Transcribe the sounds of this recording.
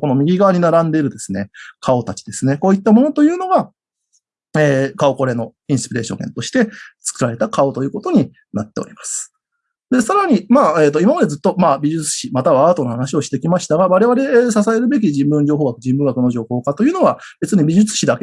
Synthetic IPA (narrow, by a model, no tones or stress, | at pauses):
ko̞no̞mʲiɡʲiɡaβaɲ̟inaɾãnd̪e̞iɾɯ̟d̪e̞sɨne̞kʰao̞t̪at͡ɕi̥d̪e̞sɨne̞ko̞ːit̪ːamo̞no̞t̪o̞jɯ̟ːno̞ɡa | eːkao̞ko̞ɾe̞no̞ĩɰ̃sɨ̥piɾe̞ːɕõ̰ŋɡe̞̰nt̪o̞ɕi̥t̪e̞t͡sɨ̥kɯ̟ɾaɾe̞t̪akao̞t̪ojɯ̟ːko̞t̪o̞ɲ̟i | nat̪ːe̞oɾʲimḁsɨ̥ | d̪e̞saɾaɲ̟imaːeːt̪ːo̞imamad̪e̞zɨt̪ːo̞maːbʲiʑɨt͡sɨ̥ɕimat̪aβaːt̪o̞nohanaɕio̞ɕi̥t̪e̞kʲimaɕi̥t̪aɡaβaɾe̞βaɾe̞sas̬ae̞ɾɯ̟be̞k̬ʲiʑĩmbɯ̟̃ɲ̟d͡ʑo̞ːɦo̞ːɡakɯ̟ʑĩmbɯ̟ŋɡakɯ̟no̞ʑo̞ːho̞ːkat̪o̞jɯ̟ːno̞βab̥e̞t͡sɨɲ̟ibʲiʑɨt͡sɨ̥ɕid̪ake